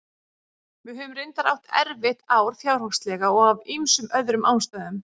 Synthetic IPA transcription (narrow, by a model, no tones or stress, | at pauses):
mɪðɦœːvʏmrɪnt̪aɾa̰wht̪ɛ̰ɾvɪht̪awɾ̥θjawɾhɔfst̪lɛɣaɔɣavimsʏmœðɾʏmʔaːwnst̪aðʏm